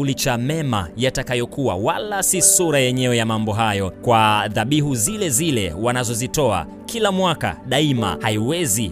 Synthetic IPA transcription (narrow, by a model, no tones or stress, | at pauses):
ulit͡ʃamɛma̰jatakajɔkuwa̰walasisuɾajɛɲɛwɛjamambɔɦajɔkwaðaɓiɦuzilɛzilɛwanazɔzitɔa̰ | kʰilamwaka̰ɗaima̰haiwɛzi